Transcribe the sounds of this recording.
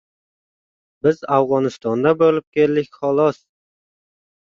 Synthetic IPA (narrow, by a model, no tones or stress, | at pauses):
bɪzafʁɒnɪst̪ɒnd̪abolɪp̚kʲelːɪkʲχɒlˠɒs